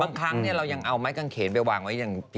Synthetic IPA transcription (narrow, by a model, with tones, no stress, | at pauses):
aː˧ŋkʰa˦˥ŋni˥˩ɐɾa˧wja˧ŋʔa˧wma˦˥jka˧ŋkʰeː˩˦npa˧jwaː˨˩ŋwa˦˥jaː˨˩ŋ˧